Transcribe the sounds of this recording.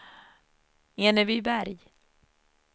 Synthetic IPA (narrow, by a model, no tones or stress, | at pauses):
eːnəvibæɾj